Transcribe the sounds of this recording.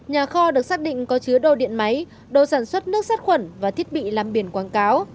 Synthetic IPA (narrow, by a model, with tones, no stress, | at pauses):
ɲaː˨˩xɔ˧ɗɨ˨˩ək̚saː˦˥k̚ɗḭ̈˧˨ŋ̟kɔ˨˦t͡ɕɨ˨˦əɗo̰˧˩ɗḭ˧˨ənma˨˦j | ɗo̰˧˨saː˧˩nswə˦˥t̚nɨ˦˥ək̚saː˦˥t̚xwə˧˩nvaː˨˩t̪ʰi˦˥ət̚ɓḭ˧˨laː˨˩mɓi˧˩ənkwaː˨˦nkaː˨˦w